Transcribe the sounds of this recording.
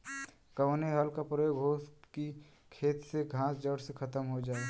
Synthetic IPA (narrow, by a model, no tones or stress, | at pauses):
kəʋəneɦalkapɾojoːɡɦoːsʈki | kʰeːt̪seɡʱãːsd͡ʒəɽsekʰɐt̪əmɦod͡ʒaːe